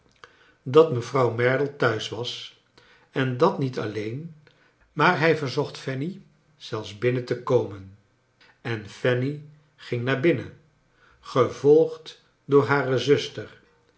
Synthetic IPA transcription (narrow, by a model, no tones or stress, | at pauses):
dɑtməvrɑwmɛɹdl̩ˠtœɥsʋɑs | ɛndɑtnitɑ̰lejn | maːɹɦɛjvəɹzɔχtfɛni | z̥ɛlˠfzbɪnətəkowmən | ɛnfɛni | χɪŋnaːɹbɪnə | χəvɔlˠχt | dʊːɹɦaːrəzɵstər